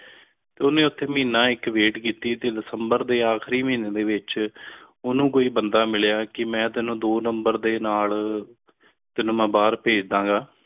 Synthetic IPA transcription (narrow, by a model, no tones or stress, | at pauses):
t̪eːonẽːʊt̪ʰːeːmiːnãːɪkʋeːʈkiːt̪iːt̪eːd̪ɪsəmbəɾd̪eːaːkʰɾiːmiːneːd̪eːʋɪt͡ʃ | ʊnũːkoːiːbənd̪aːmɪljaːkɪmɛ̃ːt̪ɪnũːd̪oːnəmbəɾd̪eːnaːl | t̪ɪnũːmɛ̃ːbaːɾpeːd͡ʒd̪ãːŋɡaː